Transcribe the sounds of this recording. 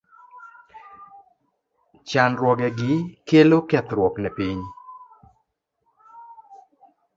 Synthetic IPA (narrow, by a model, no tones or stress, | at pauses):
t͡ʃanɾwɔɡɛɡɪkelokɛt̪ɾwɔknɛpiɲ